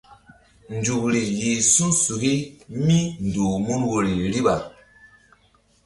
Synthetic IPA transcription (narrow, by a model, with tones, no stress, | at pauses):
n˨d͡ʒu˨kɾi˨ji˨su˦nsu˨ki˦mi˦n˨duː˨mu˦nwo˨ɾi˨ɾi˦ɓa˨